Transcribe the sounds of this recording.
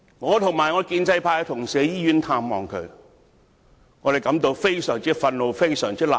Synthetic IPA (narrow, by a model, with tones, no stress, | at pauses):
ŋɔː˨˧t̪ʰʊ˨˩ŋmaː˨˩jŋɔː˨˧˥kiː˧nt͡sɐ˧jpʰaː˧jt̪ʰʊ˨˩ŋsɛː˨˧jiː˥jyː˨˥nt̪ʰaː˧mːɔː˨ŋkʰɵ̰˨˧ɥ | ŋɔː˨˧e˨˩kɐ˨˥mt̪o˧wfe˥jsœː˨˩ŋt͡siː˥fɐ˧nlo˨˧wfe˥jsœː˨˩ŋt͡sʰi˥la̰ː˨˩